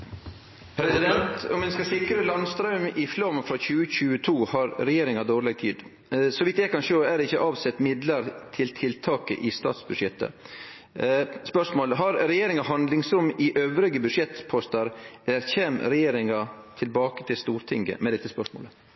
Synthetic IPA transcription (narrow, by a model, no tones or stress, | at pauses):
pʰɾɛsɪd̪ɛnt̪ɔ̰mʋɛnskɑsɪkɾəlɑnst̪ɾɑʉmɪflɔmfɾɑçʉːəçʉːət̪ʰuːhɑɾɾɛjeːɾɪŋɑd̪oːɾɭeːɡ̚t̪ʰḭːd̪ | sɔʋiːt̪ːɛkɑnʂoːæɖ̪ɪçːəʔɑːʋsɛt̪ːmɪd̪ləɾt̪ʰɪlt̪ʰɪlt̪ʰɑːkə̰ʔɪst̪ɑ̰ːt̪sbʉd̪ʂjɛt̪ːə̰ | spœʂmoːləɦɑɾɾɛjeːɾɪŋɑɦɑnd̪lɪŋsɾʊmːɪʔøːʋɾɪɡəbʉʂjɛt̪pʰɔst̪ɑɾɛæɾçeːmɾɛjeːɾɪŋɑ | t̪ʰɪlbɑːkə̥t̪ʰɪlst̪uːɾt̪ʰɪŋɡə̰mɛd̪ɛt̪ːəspœʂmo̰ːlə